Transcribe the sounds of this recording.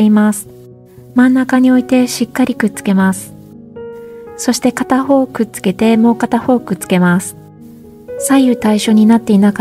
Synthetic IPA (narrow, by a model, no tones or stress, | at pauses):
imasɨ̥ | mãnːakaɲ̟io̞it̪e̞ɕikːaɾʲikɯ̟tt͡sɨ̥ke̞masɨ̥ | so̞ɕi̥t̪e̞kat̪aho̞ːkɯ̟tt͡sɨ̥ke̞t̪e̞mo̞ːkat̪aho̞ːkɯ̟t͡sɨ̥ke̞masɨ̥ | saiɯ̟t̪aiɕo̞ːɲ̟inat̪ːe̞inak